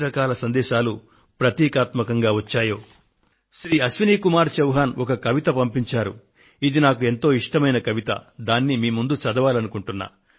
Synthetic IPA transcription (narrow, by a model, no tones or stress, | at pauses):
ɾɐkaːlɐsɐnd̪ɛːʃaːlu | pɾɐt̪iːkaːt̪mɐkɐŋɡaːʋɐt͡ʃːaːjoː | ʃɾiːɐsʋiniːkumaːɾt͡ʃɐwɦaːnɔkɐkɐʋit̪ɐpɐmpiɲt͡ʃaːɾṵ | id̪inaːkue̞nt̪o̞ːiʂʈɐmɐjnɐkɐʋit̪ɐ̰d̪aːnːimiːmund̪ut͡ʃɐd̪ɐʋaːlɐnukuɳʈunːa̰ː